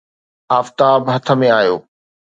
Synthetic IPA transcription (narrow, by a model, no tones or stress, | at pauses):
aːft̪aːbɦɐt̪ʰə̆mẽaːjo̰ː